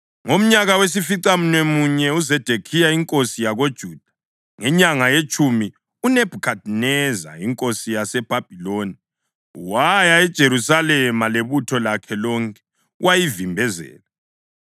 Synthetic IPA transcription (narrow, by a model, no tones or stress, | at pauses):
ŋom̩ɲaɣawes̬ifiǀam̩nwemuɲɛuzɛd̥ʱekʰijaiŋkʼosijaɣod̥ʒ̥ʱuːd̥ʱḁ | ŋɛɲaŋajet͡ʃʼumi | uneb̥ʱukʰadnɛza̰iŋkʼosijasɛb̥ʱab̥ʱiloːni | wajaɛd̥ʒ̥ʱeɾusalɛmaleβutʰɔlakʰɛlɔŋkʰʼɛ̥ | wajivimbʱɛzɛ̰ːla